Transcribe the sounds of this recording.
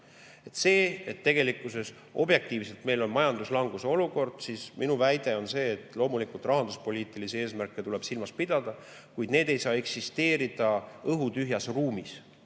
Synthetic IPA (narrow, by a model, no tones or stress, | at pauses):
e̞t̪se̞ːet̪ːe̞ɡ̥e̞likːˑuse̞s | o̞̰bje̞k̚t̪iːvse̞lt̪me̞jlo̞nmɑjɑnd̪uslɑŋɡ̥useo̞luko̞rd̪̥siːsminuvæjd̪e̞o̞nse̞ːt̪ˑlo̞ːmulikult̪ˑrɑɦɑnd̪uspo̞lʲiːt̪ˑiliseeːsmærkːˑet̪ule̞b̥silmɑspid̪̥ɑd̪̥ɑ | kujd̪ne̞ːd̪e̞jsɑːe̞ksist̪e̞ːɾid̪̥ɑɤɦut̪yɦjɑsruːmis